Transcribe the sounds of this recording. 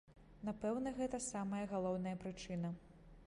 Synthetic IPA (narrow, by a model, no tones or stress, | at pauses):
napɛwnɐɣɛt̪ɐsamɐjɐɣalˠɔwn̪ɐjɐpɾɨt͡ʂɨnɐ